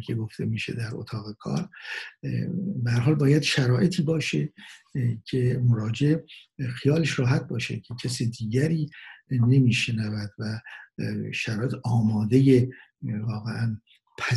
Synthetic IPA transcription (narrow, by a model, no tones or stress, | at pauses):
kʰe̞ɡo̞ft̪ʰe̞miːʃe̞̰d̪æɾo̰t̪ʰɒːɣe̞kʰɒ̰ːɾ | behæɾɦɒːlbɒːjæd̪̥ʃæɾɒːʔe̞t̪ʰiːbɒːʃe | cʰe̞mo̞ɾɒːd͡ʒeʔxijɒːleʃɾɒːɦæt̪̚bɒːʃḛcʲʰecʰæsiːd̪iːɟæɾiːne̞miːʃenævæd̪̥væ | ʃæɾɒːet̪ʰɒːmɒːd̪e̞je | vɒːɣeʔæn | pʰæ